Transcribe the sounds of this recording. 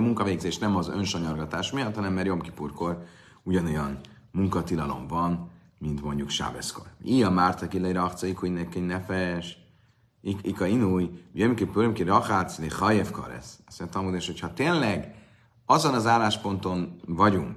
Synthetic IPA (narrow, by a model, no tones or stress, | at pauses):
muŋkɒveːɡzeːʃnɛmɒzø̰nʃɒɲɒrɡɒt̪aːʃmijɒt̪hɒnɛmːaːɾjo̞mki̥purko̞r | uɟɒno̞jɒn | muŋkɒt̪ilɒlo̞̰ɱvɒn | mint̪mo̞ɲɟukʃa̰ːbɛ̰sko̰riːɒmart̪ɒkilːɛiɾɒχt̪siikuinɛkːɛɲnɛfɛʃ | iikɒinujjømkipjomkirɒxat̪sd̪eχɒjɛfkɒ̰ɾɛ̰ssnt̪ɒmod̪eʃhochɒt̪eːnlɛɡ | ɒzonɒzaːlːaːʃpo̞nt̪o̞nvɒɟuŋk